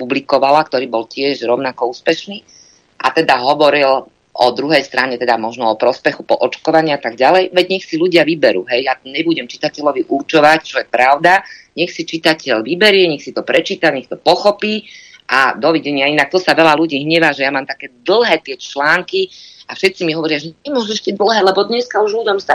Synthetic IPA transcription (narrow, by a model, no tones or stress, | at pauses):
publikɔʋalakt̪ɔɾiːbɔlcɪɛʒɾɔʊnakɔuːspɛʃniː | ʔa̰t̪ɛd̪aɦɔʋɔɾil | ʔɔd̪ɾuɦɛjst̪ɾaɲɛt̪ɛd̪amɔʒnɔɔpɾɔspɛxupɔʔɔt͡ʃkɔʋaɲɪaat̪aɡ̚ɟalɛjʋɛɟɲɛxsiluɟɪaʋibɛɾṵːɦɛjjaɲɛbuɟɛmt͡ʃi̥t̪acɛʎɔʋiʔurt͡ʃɔʋact͡ʃɔjɛpɾaʊd̪aɲɛxsit͡ʃit̪acɛʎʋibɛɾɪɛɲɛxsit̪ɔpɾɛt͡ʃiːt̪aɲɛxt̪ɔpɔxɔpiːʔad̪ɔʋiɟɛɲɪainak̚t̪ɔsaʋɛlaluɟiːɦɲɛʋaʒɛjamaːmt̪akɛːd̪l̩ˠɦɛːt̪ɪɛt͡ʃlaːŋkiafʃɛt̪simiɦɔʋɔɾɪaʒɛɲɛmʊɔʒɛʃid̪l̩ˠɦɛːlɛbɔd̪ɲɛskauʒludɔmsa